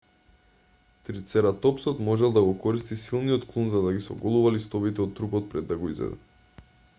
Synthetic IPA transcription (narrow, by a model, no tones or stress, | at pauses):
t̪ɾit̪sɛɾat̪ɔpsɔt̪mɔʒɛlˠd̪aɡɔkɔɾist̪isilˠnijɔt̪klˠunzad̪aɡisɔ̰ɡɔlˠuvalist̪ɔvit̪ɛɔt̪ːɾupɔt̪̚pɾɛd̪ːaɡɔizvɛ̰d̪ɛ̰